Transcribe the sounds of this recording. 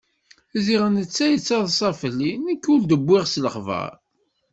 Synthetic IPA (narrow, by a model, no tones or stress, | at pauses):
ziʁənət͡sːæjət͡sːɑðˤsˤɑfəlːinəkːʊld̪əbʷːɪʁsləχvə̰ɾ